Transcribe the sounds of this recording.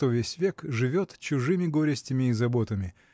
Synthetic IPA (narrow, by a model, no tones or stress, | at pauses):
t̪ovʲesʲvʲekʐɨvʲot̪t͡ɕʊʐɨmʲɪɡo̞ɾʲɪsʲtʲɪmʲɪːzɐbo̞t̪əmʲɪ